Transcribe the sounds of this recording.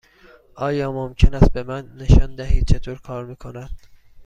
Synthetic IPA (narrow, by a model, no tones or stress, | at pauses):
ʔɒːjɒːmomcʰenæst̪̚be̞mænːe̞ʃɒːnd̪æɦiːd̪̚t͡ʃʰe̞t̪ʰoːɾkʰɒːɾmiːkʰo̞næd̪̥